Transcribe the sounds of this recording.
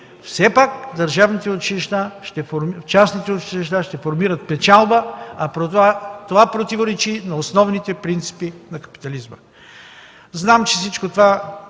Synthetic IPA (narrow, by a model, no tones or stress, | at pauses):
fsɛpakd̪ɐɾʒavnit̪ɛot͡ʃiliʃt̪aʃt̪ɛfoɾt͡ʃasnit̪ɛot͡ʃiliʃt̪aʃt̪ɛfoɾmiɾət̪̚pɛt͡ʃalˠbəɐpɾoat̪ovapɾot̪ivoɾɛt͡ʃinɐosnɔvnit̪ɛpɾint̪si̥pinɐkɐ̥pi̥t̪ɐlizmə | znamt͡ʃɛsit͡ʃkot̪ova